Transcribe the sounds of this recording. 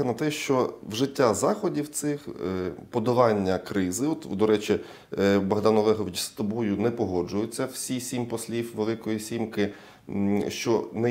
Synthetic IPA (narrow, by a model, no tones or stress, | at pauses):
ɐnɐt̪ɛʃt͡ʃɔwʒɪtʲːazɑxɔdʲiwt̪sɪxpɔd̪ɐlɑnʲːɐkɾɪzɪɔt̪d̪ɔɾɛt͡ʃi | bɐɦd̪ɑnɔlˠɛɦɔʋʲɪt͡ʃst̪ɔbɔjʊnɛpɔɦɔd͡ʒʊjʊt͡sʲːɐwsʲisʲimpɔsʲlʲiwʋelˠɪkɔjisʲimkɪ | ʃt͡ʃɔnɛ